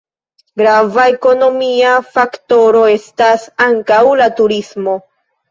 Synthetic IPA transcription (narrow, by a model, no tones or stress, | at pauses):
ɡɾavae̞ko̞no̞miafakto̞ɾo̞e̞stasaŋkawlatuɾismo̞